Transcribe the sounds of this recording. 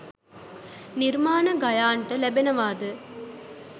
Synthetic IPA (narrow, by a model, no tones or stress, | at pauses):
niɾmaːnɐɡɐjaːɳʈɐlɛbɐnɐʋaːd̪ɨ